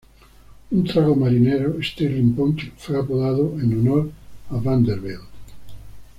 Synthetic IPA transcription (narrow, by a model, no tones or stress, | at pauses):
unt̪ɾaɣomaɾineɾoest̪erimpont̪fejapoðaðoʔenunoɾaβand̪eɾβeld̪